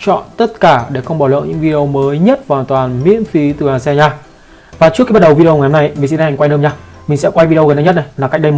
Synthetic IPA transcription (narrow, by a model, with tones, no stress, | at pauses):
t͡ɕɔ̰˧˨nt̪ə˦˥t̚kaː˧˩ɗe˧˩xə˧wŋ͡mɓɔː˧˩lə̰ː˧˨ɲʔɨ̰˧˥ŋvi˧i˧ə˧wməː˨˦jɲə˦˥t̚vaː˨aː˨˩t̪waː˨˩nmḭ˧˥ənfi˨˦t̪ɨ˨˩aː˨˩sɛ˧ɲaː˧ | vaː˨˩t͡ɕɨ˦˥kːɓa˦˥ɗə˨˩wvi˧ɗə˧wa˨˩hna˧˩jmi˨˩si˧na˧hŋkwa˧jɗəː˧mɲaː˧ | mï˨˩ŋ̟sɛ̰˧˥kwa˧jvi˧i˧ɣə˨˩nə˧˩ɲə˦˥t̚ɗə˧jlaː˨˩kj̚ɗə˧jm˨